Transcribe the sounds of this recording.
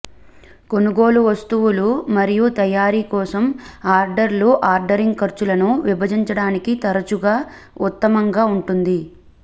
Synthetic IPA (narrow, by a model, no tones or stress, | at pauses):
ko̞nuɡo̞ːluʋɐst̪uʋulumɐɾijut̪ɐjaːɾiːkɔːsɐmaːɾɖɐɾluʔaːɾɖɐɾiŋɡkɐɾt͡ʃulɐnuʋibɐd͡ʒiɲt͡ʃɐɽaːnikit̪ɐɾɐt͡ʃuɡaː | ut̪ːɐmɐŋɡaːuɳʈund̪i